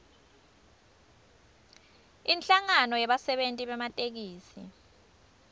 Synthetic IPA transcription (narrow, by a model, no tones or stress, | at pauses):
inɬaŋanɔjɛɓasɛɓentʼiɓɛmatʼek̬iːsḭ